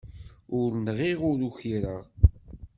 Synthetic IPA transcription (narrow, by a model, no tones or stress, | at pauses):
ʊɾnʁiʁʊɾuçiɾəʁ